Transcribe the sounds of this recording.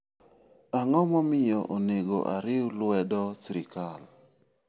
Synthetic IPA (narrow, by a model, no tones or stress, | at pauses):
aŋɔmɔmɪjɔʔoneɡo̰ʔaɾɪulwɛdɔsɾɪkal